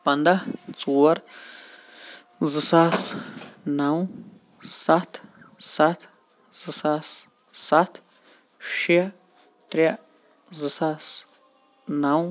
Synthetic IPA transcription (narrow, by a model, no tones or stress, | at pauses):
pɐnd̪at͡sʼuwɐɾ | zɨsasnaw̃ | sat̪ʰ | sat̪ʰ | z̥ɨsas | sat̪ʰ | ʃiɐ | t̪ɾʲa | zɨsas | naw